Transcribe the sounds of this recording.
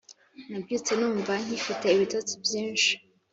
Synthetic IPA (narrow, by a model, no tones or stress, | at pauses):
nabjut͡senuːɱvan̥hifite̞iβitot͡sibjiːnʃi̥